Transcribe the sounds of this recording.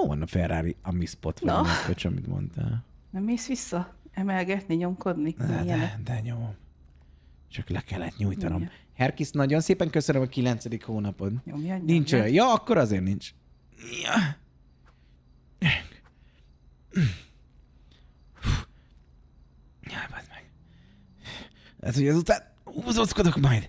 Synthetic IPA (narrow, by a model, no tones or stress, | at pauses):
ovɒ̰nɒfɛrːaːɾiɒmispot̪ʋɒikot͡ʃɒmḭt̪mo̰nt̪a̰ːlnɛmːeːsʋisːɒɛmɛlɡɛt̪niɲo̞mko̞d̪niɛɛnd̪ɛɲom | t͡ʃɒklɛkɛlːɛt̪ɲujt̪ɒno̞m | hɛrkisnɒɟo̞nseːpɛŋkøsønømɒkilɛnt̪sɛd̪ikhoːnɒpo̞nomjnint͡ʃojjɒːkːo̞ɾɒzeːrnint͡ʃ | j | u | jɛbɑd̪mɛɡ̥ | ɛ̰t̪oɟɒzut̪aːn | uːzosko̞d̪o̞kmɒjd̪